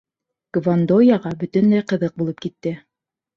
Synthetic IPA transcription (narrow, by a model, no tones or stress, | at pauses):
ɡ̥vand̪ojɑʁɑbɵt̪ɵnlæjqɤ̆ðɤq̚bulˠɤp̚kit̪ːɘ